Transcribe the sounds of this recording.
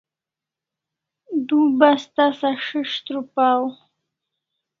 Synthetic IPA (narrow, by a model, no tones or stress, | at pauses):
d̪ubast̪asaʂəʂt̪ɾupaw